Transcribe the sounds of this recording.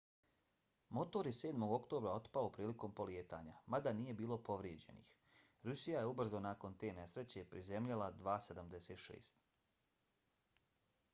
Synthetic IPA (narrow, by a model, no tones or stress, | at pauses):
mo̞t̪o̞ɾje̞se̞ːd̪mo̞ɡo̞kt̪o̞ːbɾao̞t̪paopɾiːliko̞mpo̞lijeːt̪a̰ːɲamad̪aniːje̞biːlˠo̞po̞ʋɾjed͡ʑe̞̰nḭx | ɾusijaje̞ubr̩zonako̞nt̪e̞ːne̞sɾe̞t͡ɕe̞pɾizemʎalad̪ʋaːsed̪amd̪e̞seːt̪ʃḛːst̪